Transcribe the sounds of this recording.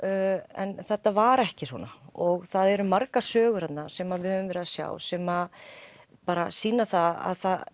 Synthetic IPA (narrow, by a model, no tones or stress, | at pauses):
ɛnθɛht̪ːavaɾɛhcɪswɔ̰naɔɣθaðɛɾʏmaɾkasœːɣʏɾ̥at̪nasɛmaðvɪhœvɪmvɛːɾɪðasja̰ːwsɛma | paːɾasiːnaθaa̰ðθað